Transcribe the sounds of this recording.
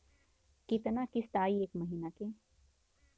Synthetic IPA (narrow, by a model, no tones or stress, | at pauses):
kit̪nakɪst̪aːieːkmɐɦiːnake